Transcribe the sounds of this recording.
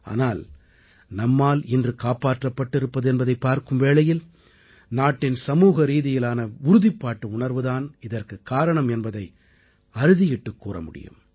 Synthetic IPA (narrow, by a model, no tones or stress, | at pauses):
a̰ːnaːl | nɐmːaːlɪndrɯkaːpaːʈrɐpːɐʈːɪɾɯpːɐðɯɛnbɐðɐɪpːaːɾkɯmʋeːɭɐjɪl | naːʈːɪnsɐmuːɣɐɾiːðɪjɪlaːnɐʊɾʊðɪpːaːʈːɯʊɳɐɾʋɯðaːnɪðɐrkɯkːaːɾɐɳɐmɛnbɐðɐɪ | ɐɾɯðɪjɪʈːɯkːuːrɐ̰mʊ̰ɽɪ̰jɯ̰m